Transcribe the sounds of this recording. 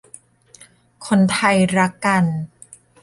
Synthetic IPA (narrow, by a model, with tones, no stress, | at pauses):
kʰo˧nt̪ʰa˧jɾa˦˥kːa˧n